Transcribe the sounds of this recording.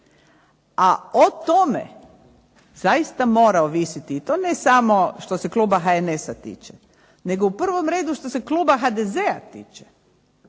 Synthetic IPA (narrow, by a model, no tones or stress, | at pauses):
aot̪omḛ | z̥ajist̪amo̞ːɾaoʋisit̪iːt̪oːnesamo̞ʃt̪o̞se̞kluːbaxaenesat̪ḭːt͡ʃe | ne̞ɡo̞upr̩ʋo̞mɾe̞ːd̪uʃt̪o̞seklˠuːbaxad̪ezeat̪ḭːt͡ʃe̥